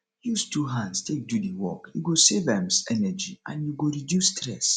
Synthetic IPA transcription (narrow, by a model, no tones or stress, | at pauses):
justuɦãnstʰek̚dudiwɔ̰kjuɡosevɛmsɛnɛd͡ʒḭã̰njuɡoɾidjustɾɛs